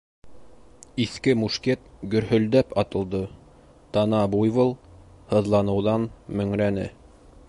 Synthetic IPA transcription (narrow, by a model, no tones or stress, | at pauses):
iθkɘmuʃket̪̚ɡɵ̆ɾhɵ̆ld̪æpɑt̪ɤ̆lˠd̪ɤ | t̪ɑnɑbujβɤlˠ | hɤ̆ðlˠɑnɤ̆wðɑnmɵ̆ŋɾænɘ̰